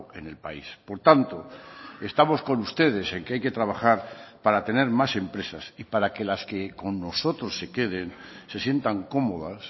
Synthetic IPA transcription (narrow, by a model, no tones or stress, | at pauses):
e̞̰ne̞lpaispo̞ɾt̪ant̪o̞e̞st̪amo̞sko̞nust̪e̞ð̞e̞se̞ŋkeajke̞t̪ɾaβ̞axaɾpaɾat̪e̞ne̞ɾmase̞mpɾe̞sasipaɾake̞laske̞ko̞nːo̞so̞t̪ɾo̞sːe̞ke̞ð̞e̞nse̞sje̞nt̪aŋko̞mo̞ðas